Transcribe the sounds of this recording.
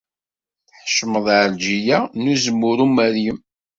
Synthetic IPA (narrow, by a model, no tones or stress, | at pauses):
θħʃməðˤʕəɾd͡ʒijænuzəmːʊɾumæɾjəm